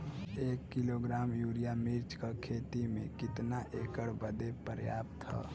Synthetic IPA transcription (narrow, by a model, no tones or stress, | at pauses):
ekːiloɡɾaːmjuːɾijamiɾt͡ʃkəkʰeːt̪imẽkɪt̪naʔekəɽbəd̪epəɾjaːp̚t̪ɦə̰